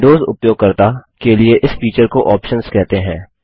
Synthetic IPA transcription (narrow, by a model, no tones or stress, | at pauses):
ɖoːzʊ̰pjoːɡ̚kɐɾt̪akelieʔɪsfiːt͡ʃəɾkoʔɔːpʃənz̥kɛɦt̪eɦɛ̃ː